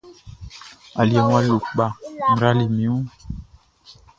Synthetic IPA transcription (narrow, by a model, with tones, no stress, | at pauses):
a˨lja˨ŋwa˦lu˨kɓa˨m̩˨ɾa˦li˨mi˨˦u˦